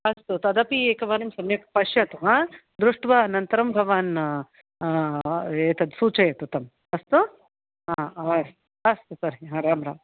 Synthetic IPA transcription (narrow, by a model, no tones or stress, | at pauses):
ɐst̪ut̪ɐd̪ɐpieːkɐʋaːɾɐmsɐmjɐkpɐʃjɐt̪uɦãd̪ɾuʂʈʋanɐnt̪ɐɾɐmbʱɐʋaːn | eːt̪ɐd̪suːt͡ʃɐjɐt̪ut̪ɐm | ɐst̪u | aːɐst̪ | ɐst̪usɐɾɦiɦãɾaːmɾaːm